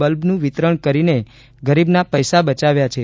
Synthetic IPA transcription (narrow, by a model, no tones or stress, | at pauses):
əlbnũʋɪt̪ɾəɳkəɾine | ɡəɾibnapəjsabət͡ʃaʋjat͡ʃʰe